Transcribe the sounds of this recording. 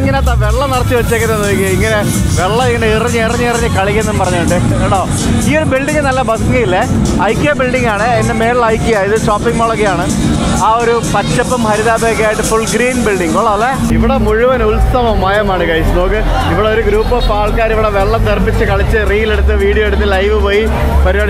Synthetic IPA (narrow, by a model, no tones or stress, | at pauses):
iŋːɐneɐt̪ːaːʋe̞ɭːɐnɐɽɐt̪ːiʋɐt͡ɕːekːɐnːenːoikːeiŋːɐne̞ | ʋe̞ɭːɐiŋːɐneiriɲːɨirɐɲːɨiriɲːɨkɐɭikʲːenːɐnɨpɐrɐɲːɐːɾuɳɖɨ | eɳɖoː | iːo̞ɾubilɖiŋːɡɨnɐlːɐbɐt̪ʰŋːɐilːe | ɐjkːijɐbilɖiŋɡaːɳɨenːeme̞ːllɐjkːijaiðɨʂoːpːiŋɡmoːɭɐk̬ːijaːɳɨ | aːo̞ɾupɐt͡ɕːɐpːɐmhɐɾiðaːbeːkːejaːjiʈːɨfuɭɡɾiːnbilɖiŋɡoɭːɐle | iʋiɽemuɻuʋɐnulsɐʋɐmaːjɐmaːɳɨkɐjsɨno̞ːkːɨ | iʋiɽeoɾuɡɾuːpːɐfaːɭkaːɾiʋiɽe̞ʋeɭːɐmt̪erbit͡ɕːɨkɐɭit͡ɕːɨriːjileɽut̪ːɨʋiːɽijoeɽut̪ːɨlɐjʋɨpoːji | pɐɾiaːɽ